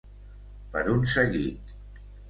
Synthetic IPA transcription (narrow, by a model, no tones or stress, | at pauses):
pəɾunsəɣit̪̚